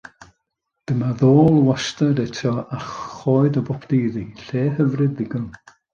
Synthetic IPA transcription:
d̥əmaðoːlˠwastadɛtʰɔaχoːɨdəbɔpʰdejðiɬeːɦəvrɨdðɪɡən

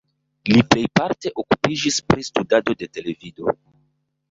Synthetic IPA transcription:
liple̞jpaɾte̞ʔokupid͡ʒispɾistudado̞de̞te̞le̞vido̞̰

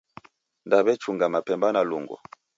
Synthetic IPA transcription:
ndaβɛt͡ʃuŋɡamapɛmbanalṵŋɡɔ̰

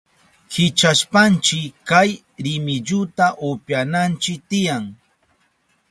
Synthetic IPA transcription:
hɪt͡ʃaʃpant͡ʃɪkaj | ɾɪmɪʎʊt̪aʔʊpjanant͡ʃɪk̚t̪ɪjaŋ

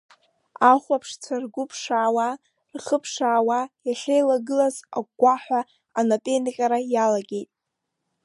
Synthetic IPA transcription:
aχʷapʰʂt͡sʰarɡʷʊpʰʂaːwa | rχəpʰʂaːwajaɬʲejlaɡɨlaza̰ɡ̚ʷaħʷaː | napʼenqʲʼaɾajalaɡʲe̞jtʼ

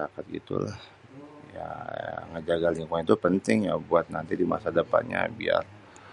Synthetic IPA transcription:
akat̪̚ɡḭt̪ṵlah | ja̰ŋəd͡ʒaɡaliŋkwanit̪upənt̪ɪŋjabuat̪̚nant̪idima̰sadəpa̰t̪ɲa̰bia̰r

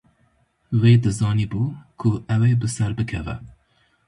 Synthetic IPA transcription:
weːd̪ɨzɑːniːbuːkʰʊʔɛwebɨsɛɾbɨkʰɛvɛ̰

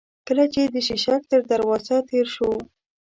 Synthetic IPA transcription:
kəlat͡ʃed̪əʃiʃak̚t̪əɾd̪aɾwɑzat̪eɾʃo

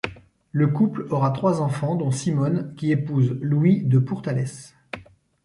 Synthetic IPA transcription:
ləkuplɔʁat̪χwazɑ̃fɑ̃d̪ɔ̃simɔnkʲiepuzlwid̪əpuʁt̪alɛs

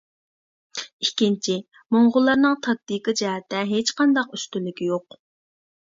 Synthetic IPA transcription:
ikʲint͡ʃʰi | moɴʁʊlˠːɑɾnɨŋt̪ʰɑk̚t̪ikəd͡ʒɛɦɛt̪ːɛɦet͡ʃqɑnd̪ɑqyst̪ylːɪkʲijoq

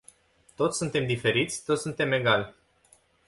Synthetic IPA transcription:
t̪o̞t̪sʲsunt̪e̞md̪ife̞ɾit̪sʲt̪ot̪sunt̪e̞me̞ɡal

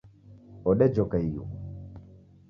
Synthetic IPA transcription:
ɔɗɛd͡ʒɔkaijṵ

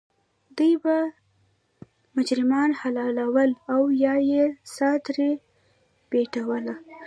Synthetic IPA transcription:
d̪əjba | mʊd͡ʒɾɪmɑnhalɑlawəlawjɑjesɑt̪ɾe | b̥eʈawəla

